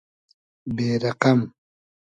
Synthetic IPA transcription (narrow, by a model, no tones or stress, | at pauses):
beːɾaqam